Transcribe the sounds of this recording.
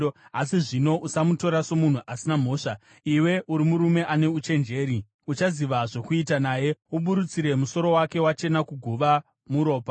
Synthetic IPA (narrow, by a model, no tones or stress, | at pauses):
asiʐino̞ʔusamuto̞ɾaso̞mun̤uʔasinam̤o̞ːʂa | iwe̞ʔuɾimuɾume̞ʔane̞ut͡ʃe̞nd͡ʒe̞ːɾi | ut͡ʃaziʋaʐo̞kuitanaːje̞uɓuɾut͡siɾe̞muso̞ɾo̞wake̞wat͡ʃe̞nakuɡʱuʋa | muɾo̞ːpa